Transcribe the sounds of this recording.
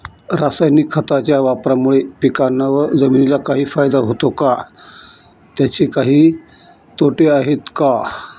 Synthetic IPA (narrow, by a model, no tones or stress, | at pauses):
ɾasajnikʰːət̪at͡ɕjaʋapɾamuɭepikanːaʋəɾd͡zəminilakaɦiːfajd̪aɦot̪oka | t̪jat͡ɕiːkaɦiː | t̪oʈeaɦet̪ka